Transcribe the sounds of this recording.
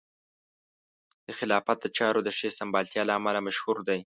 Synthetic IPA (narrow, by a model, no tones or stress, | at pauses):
d̪̥əxɪlɑfat̪̚d̪ət͡ʃɑɾod̪əʃesambɑlt̪jɑlaːmalamaʃhuɾd̪aj